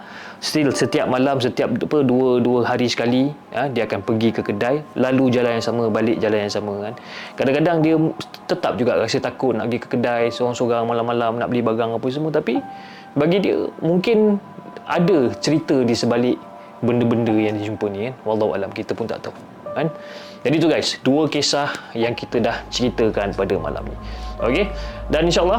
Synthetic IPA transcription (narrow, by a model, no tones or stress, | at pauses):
sət̪ɪlsət̪iap̚malamsət̪iap̚pəduəduəɦaɾisə̥kali | adiəakanpəɡikəkədajlalud͡ʒalanjaŋsamə̃balɪʔ̚d͡ʒalanjaŋsamə̃kan | kadaŋkadaŋdiət̪ət̪ap̚d͡ʒuɡa̰ʔɾasət̪akʊt̪̚na̰ʔpəɡikə̥kədajsoɾaŋsoɾaŋmalammalamnaʔbəlibaɡaŋapəs̬əmuət̪api | baɡidiə̰muŋkɪnʔa̰dət͡ʃəɾit̪ədisəbalɪʔ̚ | bəndəbəndəjaŋdid͡ʒumpənĩkanwɑlːɑɦuʔa̰lamkit̪əpʊnt̪a̰ʔt̪a | kan | d͡ʒadit̪uɡajsduəkesahjaŋkit̪ədaht͡ʃəɾit̪əkanpadəma̰la̰mnḭ̃ʔokedaninʃalˠːɑ